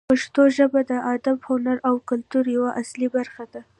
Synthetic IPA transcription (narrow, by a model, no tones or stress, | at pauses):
paʂt̪oʒəbad̪əʔad̪abhunaɾawkʊlt̪uɾjawaʔaslibaɾxad̪a